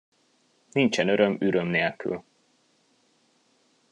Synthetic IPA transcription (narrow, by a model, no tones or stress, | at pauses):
nint͡ʃɛnø̞ɾø̞myɾø̞mneːlky̰l